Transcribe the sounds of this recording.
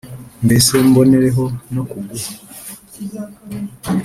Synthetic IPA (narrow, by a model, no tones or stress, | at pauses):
mbesembo̞neɾeɦo̞nokuɡuha